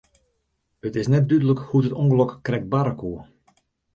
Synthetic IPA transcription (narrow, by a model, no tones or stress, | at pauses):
ətɪsnɛt̚dydələkhutətɔŋɡəlɔkːrɛk̚t̚baɾəkuə